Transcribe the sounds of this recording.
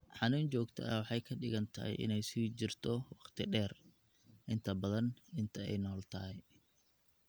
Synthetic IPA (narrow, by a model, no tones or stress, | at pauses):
ħɑnuːnt͡ʃɔːɡt̪ʰɐ̰ɐwɑħɑjkʰɐɖɪɣɐnt̪ʰɐhɛ̰jʔɪ̰nɛjsit͡ʃɪrt̪ʰɔwɑχt̪ʰɪɖɛːr | ʔɪnt̪ʰɐbɐðɐnɪnt̪ʰɐɛ̰jnɔːlt̪ʰɐhɛj